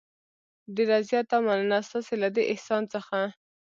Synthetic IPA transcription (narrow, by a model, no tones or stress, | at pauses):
ɖeɾazjɑt̪amanənast̪ɑselad̪eʔɪhsɑnt͡səxa